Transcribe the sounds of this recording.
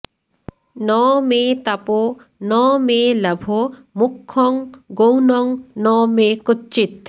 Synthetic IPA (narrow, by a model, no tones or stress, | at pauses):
nɔmet̪apo | nɔːmelɐbʱomukʰːɔŋɡownɔŋnɔmekɔtːt͡ʃit̪